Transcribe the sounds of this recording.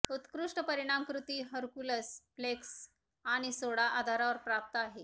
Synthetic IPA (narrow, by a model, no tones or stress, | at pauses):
ut̪kɾuʂʈəpəɾiɽ̃amkɾut̪iːɦəɾkuləsfleks | aɽ̃isoɽaʔad̪ʱaɾaʋəɾpɾap̚t̪aɦe